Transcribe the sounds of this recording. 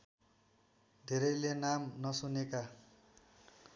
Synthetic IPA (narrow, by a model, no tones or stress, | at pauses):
d̪ʱeɾʌjlenamnʌsuneka